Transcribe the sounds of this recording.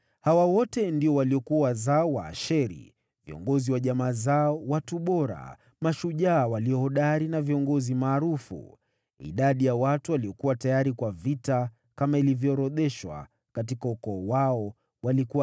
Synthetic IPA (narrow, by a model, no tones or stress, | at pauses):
hawawɔtɛndiɔwaliɔkuawazaɔwa̰ːʃɛɾḭ | viɔ̰ŋɡɔziwaʄamaːzaɔwatuɓɔɾa̰ | maʃuʄaːwaliɔhɔɗaɾinaviɔŋɡɔzimaːɾufṵ | ḭɗaɗijawatuwaliɔkuwatajaɾikwavita | kamailivjɔːɾɔðɛʃwa̰ | katikaukɔːwaɔ | walikua